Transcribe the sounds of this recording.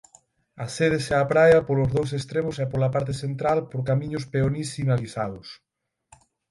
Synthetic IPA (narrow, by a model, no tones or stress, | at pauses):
aseðeseapɾajɐpolʊzðows̬est̪ɾemʊsɛpolapaɾt̪̬eθent̪ɾalpoɾkamĩɲʊspeonisinaliθaðʊs